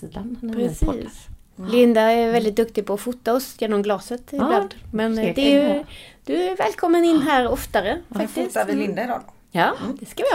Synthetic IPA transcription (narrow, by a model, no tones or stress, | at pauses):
iːd̪anpɾɛsːs | lɪnd̪aɛvɛld̪ɪt̪̚d̪ɵkt̪ɪɡpʰɔːfuːt̪ːaɔsjeːnɔmɡlɑːsət̪ɛaːt̪mɛnd̪ɛ | d̪̥ɵvɛːlkʰɔmːənɪnːɦæːɾɔft̪aɾəfak̚t̪ɪsavɪlɪnd̪aɪd̪ɑː | jɑːd̪ɛskaɪ